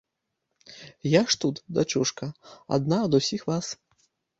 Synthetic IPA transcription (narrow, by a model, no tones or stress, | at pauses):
jaʂt̪ut̪d̪at͡ʃuʂkɐa̰d̪naɐd̪usʲixvas